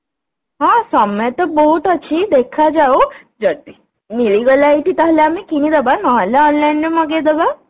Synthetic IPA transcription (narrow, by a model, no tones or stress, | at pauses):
ɦãsəmjt̪əbɔɦut̪ət͡ʃʰid̪ekʰad͡ʒao | d͡ʒəd̪i | niɭiɡəlaiʈit̪aɦljamikinid̪əbanɔɦaljaɔːnlainɖeməɡed̪əba